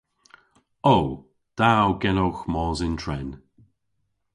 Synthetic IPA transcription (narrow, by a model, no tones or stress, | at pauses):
ow | d̪̥awɡɛnowxmɔːzɪntʰɹɛn